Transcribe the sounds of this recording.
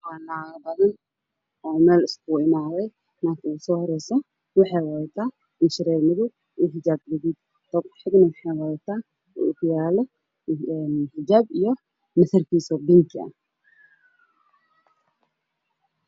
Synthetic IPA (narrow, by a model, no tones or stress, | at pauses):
waːnaːɣɐbɐðɐn | ʔɔːmɛːlɪskʰuɪmaːðɛj | nak̪ʰuʊsɔːhɔɾɛjsɔ | wɑħɑjwɑt̪ʰaː | ɪnʃɪɾɛːɡnɪðʊ | ʔuːħɪd͡ʒaːb̚ɡɛðiːd̪ | t̪ɔɡħɪɡnɐwɑħɑjwat̪ʰaː | ṵʊkʰʊjaːlɔ | nħɪd͡ʒaːbijɔ | mɐθɐrkʰiːsɔːbɪŋkʰɪɐ̰